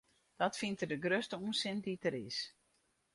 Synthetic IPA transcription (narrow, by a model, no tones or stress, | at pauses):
d̥ɔtfintərdəɡrøstəuənsɪnditəɾɪ̰s